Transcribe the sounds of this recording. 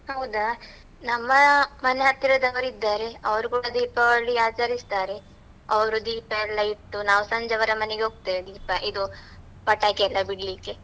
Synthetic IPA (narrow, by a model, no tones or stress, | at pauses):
hɐwd̪a | nɐmːɐmɐneɦɐt̪ːiɾɐd̪ɐʋɐɾid̪ːaːɾe̞ɐʋɐɾukuːɽɐd̪iːpɐʋɐɭːiaːt͡ʃɐɾist̪aːɾe̞ | ɐʋɐɾud̪iːpɐɛlːɐjiʈ̪ːunaːʋusɐɲd͡ʒɐʋɐɾɐmɐneɡeoːɡ̚t̪eed̪iːpɐʔid̪u | pɐʈːaːkeɛlːɐbiɽlikːe